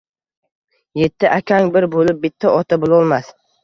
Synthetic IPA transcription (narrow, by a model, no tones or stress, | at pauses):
je̞t̪ʰːɪʔakʲʰaŋbɪɾbolɪp̚bɪt̪ʰːaɒt̪ʰabʊlˠɒlˠmas